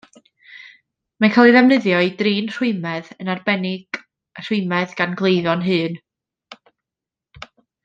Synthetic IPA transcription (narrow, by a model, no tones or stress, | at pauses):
mankʰaːlˠiðɛvnəðjɔɨdriːnr̥ʊɨmɛðənarbɛnɪɡ̥ | r̥ʊɨmɛðɡ̥anɡlˠejðɔnɦɨːn